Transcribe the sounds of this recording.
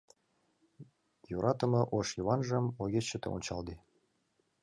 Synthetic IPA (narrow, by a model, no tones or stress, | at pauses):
joɾʔɑt̪ə̆mɤ̆ʔoʃjoβɑnʒə̆moɣʲeɕət̪ɤ̰o̰nʲt͡ɕɑld̪e